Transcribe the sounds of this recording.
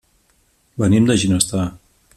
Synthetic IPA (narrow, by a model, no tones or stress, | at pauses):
bənimd̪əʒinəst̪a